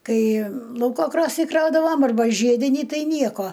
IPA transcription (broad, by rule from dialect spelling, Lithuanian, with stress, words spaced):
ˈkɐɪ ˈlˠɐʊkoː ˈkroːsʲnʲiː ˈkrɐʊdɐʋɐm ɐrˈbɐ ˈʒʲiɛdʲɪnʲiː ˈtɐɪ ˈnʲiɛkoː